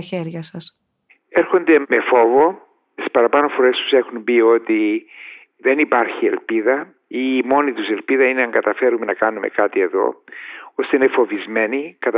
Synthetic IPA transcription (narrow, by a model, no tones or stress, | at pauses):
ɐçeɾʝɐsɐs | eɾxo̞nd̪e̞me̞fo̞vo̞ | ispɐɾɐpɐno̞fo̞ɾe̞st̪u̥se̞xumbio̞t̪i | ðe̞nipɐɾçie̞̰lpiðɐ | imo̞nit̪use̞lpiðɐineɐŋɡɐt̪ɐfe̞ɾume̞nɐkɐnume̞̰kɐt̪ie̞ðo̞̰ost̪einefo̞vizme̞nikɐt̪